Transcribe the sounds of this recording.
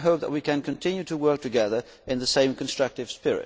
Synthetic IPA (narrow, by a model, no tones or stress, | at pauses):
ɦoʊp̚ðə̰t̚wikɨ̃nkʰɨ̃ntʰɪ̃njʉɾəwɜ˞k̚tʰɨɡɛðə˞ | ʔɨ̃nðɨsẽɪ̃mkʰɨ̃n̩stɹ̥ʌk̚tɨv̥spɪɹɪ̰t̚